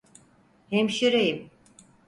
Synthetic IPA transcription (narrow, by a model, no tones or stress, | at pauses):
hemʃiɾejim